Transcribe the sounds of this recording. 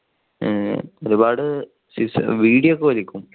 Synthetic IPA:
oɾubaːɽɨ | sisʋiːɽijɐokːeɐlikʲːum

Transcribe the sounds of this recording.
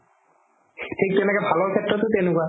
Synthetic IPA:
ʈʰik̚t̪uenɛkɛbʱaloɾkʰet̪ːɾot̪ut̪enuka

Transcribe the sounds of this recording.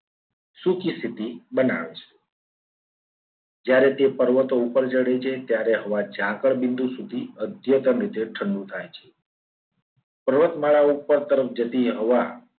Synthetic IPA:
sukist̪ʰit̪ibəna̰ʋet͡ʃʰe̥ | d͡ʒjaɾet̪epəɾʋət̪oupəɾd͡ʒəɽet͡ʃʰet̪jaɾeɦəʋad͡ʒʱãkəɭbind̪usud̪ʱiəd̪ʱjət̪əmɾit̪eʈʰəɳɖut̪ʰajt͡ʃʰe | pəɾʋət̪maɭaupəɾt̪əɾəfd͡ʒət̪iɦəʋa

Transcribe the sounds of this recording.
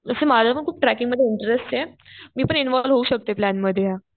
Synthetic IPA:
əsemalaapəɳkʰuːp̚ʈɾækiŋɡməd̪ʱjeiɳʈəɾesʈemiːpəɳinʋɔlʋɦouɕək̚t̪oeplænməd̪ʱjeja

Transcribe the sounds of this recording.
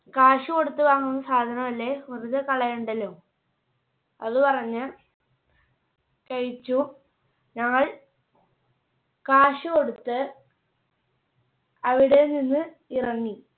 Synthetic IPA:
kaːʂuko̞ɽut̪ːɨʋaːŋːunːɐsaːd̪ʱɐnɐmɐlːe̞ɐruðɐkɐɭɐjuɳɖɐlːoː | ɐðupɐrɐɲːɨ | kɐɻit͡ɕːu | ɲɐŋːɐɭ | kaːʂukoɽut̪ːɨ | ɐʋiɽe̞ninːɨ | irɐŋːi

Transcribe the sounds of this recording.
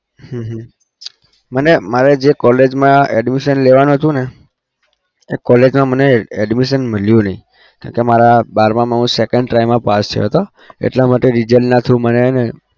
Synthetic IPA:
ɦə̃ɦ | mənemaɾed͡ʒekɔled͡ʒmãɛɖmiʃənleʋanũɦət̪ũne | ekɔled͡ʒmãməneɛɖmiʃənməljũnəɦḭ̃ | kã̰kemaɾabaɾmãmãɦũsekəɳɖʈaimːãpast̪ʰə̰joɦət̪o | ḛʈlamaʈeɾid͡ʒəlnat̪ʰũmənene

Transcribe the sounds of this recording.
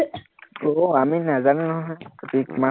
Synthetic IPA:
oaminazanunɔɦɔɦɔjkatikma

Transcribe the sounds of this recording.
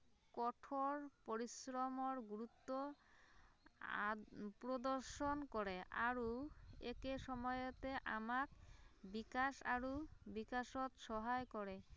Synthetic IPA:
kɔʈʰoɾpoɾisɾomoɾɡuɾut̪ːo | pɾod̪oɾʃonkɔɾeʔa̰ɾuekeʃɔmɔjot̪eʔa̰makbikaʃa̰ɾubikaʃot̪ʃɔɦaekɔɾe

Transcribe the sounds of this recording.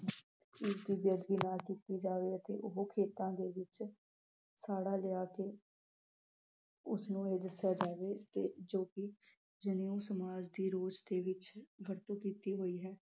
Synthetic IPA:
ɪsd̪iːbjəd̪ɡiːnaːkiːt̪iːd͡ʒaːʋeːət̪eːʔʊɦoːkʰeːt̪ãːd̪eːʋɪt͡ʃ | saːɽaːlɪaːkeː | ʊsnũːeːd̪əsjaːd͡ʒaːʋeːt̪eːd͡ʒoːkɪ | d͡ʒənijũːsəmaːd͡ʒd̪iːɾoːd͡ʒd̪eːʋɪt͡ʃɡəɾt̪õːkiːt̪iːɦoːiːɦɛː

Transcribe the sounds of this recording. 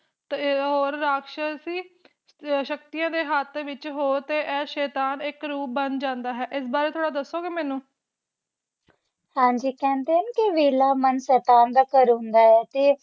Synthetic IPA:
t̪ɦoːɾːaːkʃəsiː | ʃək̚t̪ijãːd̪eːɦat̪ʰʋɪt͡ʃɦoːɾt̪eːʔɛːʃɛːt̪aːnɪkɾuːp̚bənd͡ʒãːnd̪aːɦɛːʔɪs̬baːɾeːt̪ʰoːɽaːd̪əsːoːɡeːmɛːnũː | hãːɲd͡ʒiːkɛ̃ːnd̪eːənkɪʋeːlaːmənsɛːt̪aːnd̪aːkəɾõnd̪aːɛːt̪eː

